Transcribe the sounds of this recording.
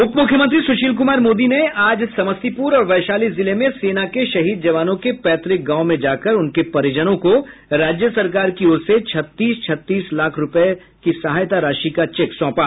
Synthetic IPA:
ʊpmʊkʰjəmə̃nt̪̬ɾisʊʃiːlk̬ʊmaːɾmoːd̪ineaːd͡ʒsɐməst̪ipuːɾɔːɾʋɛːʃaːlizɪlemẽseːnakeʃɐɦiːd̪̚d͡ʒɐʋaːnõkepɛːt̪ɾɪk̚ɡãːʊmẽd͡ʒaːkəɾʊnkepɐɾɪd͡ʒənõkoɾaːd͡ʒjəsɐɾkaːɾkioːɾset͡ʃʰɐt̪ːiːst͡ʃʰɐt̪ːiːslaːkʰɾʊp | kisɐɦaːjt̪aɾaːʃikat͡ʃeːksɔ̃ːpaː

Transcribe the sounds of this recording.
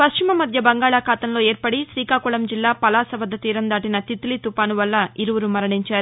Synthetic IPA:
pɐst͡ʃimɐmɐd̪ʱjɐbɐŋɡaːɭaːkʰaːt̪ɐmlo̞ːeːɾpɐɽisɾiːkaːkuɭɐmd͡ʒilːaːpɐlaːsɐʋɐd̪ʱːɐt̪iːɾɐnd̪aːʈinɐt̪it̪ːulit̪upaːnuʋɐlːɐiɾuʋuɾumɐɾɐɳiɲt͡ʃaːɾu

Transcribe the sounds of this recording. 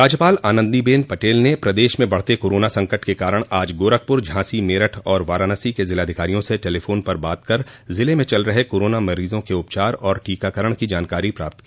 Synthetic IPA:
ɾaːd͡ʒjəpaːlaːnə̃nd̪ibeːnpɐʈeːlnepɾɐd̪eːʃmẽbɐɽ̤t̪ekoːɾoːnasɐ̃ŋkəʈkekaːɾəɽ̃aːd͡ʒɡoːɾək̚pʊɾd͡ʒʱãːsimeːɾəʈʰɔːɾʋaːɾaːnəsikezɪlaːd̪ʱɪkaːɾijõseʈeːlefʰoːnpɐɾbaːt̪̚kɐɾzɪlemẽt͡ʃɐlɾɐɦekoːɾoːnamɐɾiːzõkeʊpt͡ʃaːɾɔːɾʈiːkakəɾəɽ̃kid͡ʒaːnkaːɾipɾa̰ːp̚t̪kiː

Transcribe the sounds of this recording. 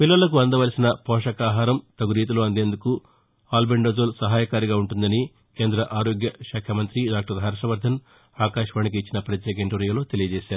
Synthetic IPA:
pilːɐlɐk̬uɐnd̪ɐʋɐlisinɐpɔːʂɐkaːɦaːɾɐmt̪ɐɡuɾiːt̪uloːɐnd̪e̞ːnd̪uku | aːlbeɳɖoːzoːlsɐɦaːjɐkaːɾiɡaːuɳʈund̪ɐni | ke̞ːnd̪ɾɐʔaːɾoːɡjɐʃaːkʰjɐmɐnt̪ɾiɖaːk̚ʈɐɾɦɐɾʂɐʋɐɾd̪ʱɐn | aːkaːʃɐʋaːnik̬iːt͡ʃːinɐpɾɐekeɳʈoɾijɐlo̞ːt̪e̞lijɐd͡ʒeːʃaːɾu

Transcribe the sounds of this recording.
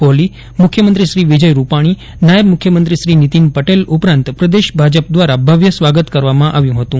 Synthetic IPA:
oli | mukʰːjəmənt̪ɾiʃɾiʋid͡ʒəjɾupaɽ̃i | najəbmʊkʰjəmənt̪ɾiʃɾinit̪inpəʈelupɾãnt̪pɾəd̪eʃbʱad͡ʒəp̚d̪ʋaɾabʱaʋjəsʋaɡət̪kəɾʋamãʔaʋjũɦət̪ũ

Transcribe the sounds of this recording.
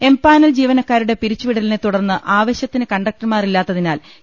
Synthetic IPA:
e̞mpaːnɐld͡ʑiːʋɐnɐkːaːɾuɽe̞piɾit͡ɕːuʋiɽɐlnet̪ːuɽɐrnːɨʔaːʋɐɕjɐt̪ːinɨkɐɳɖɐk̚ʈɨmaːrilːaːt̪ːɐðinaːl

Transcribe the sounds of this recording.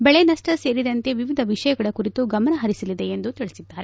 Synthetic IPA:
bɛɭenɐsʈɐse̞ːɾid̪ɐnt̪e̞ʋiʋid̪ʱɐʋiʂɐjɐɡɐɽɐkuɾit̪uɡɐmɐnɐɦɐɾisɐlid̪e̞ːnd̪ut̪iɭisid̪ːaːɾe

